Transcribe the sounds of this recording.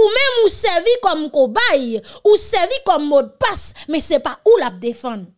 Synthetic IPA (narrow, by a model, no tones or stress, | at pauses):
umɛ̃musɛvikɔmkobajusɛvikɔmːɔd̪̚pasmɛ̃sɛpaulap̚d̪efãd̪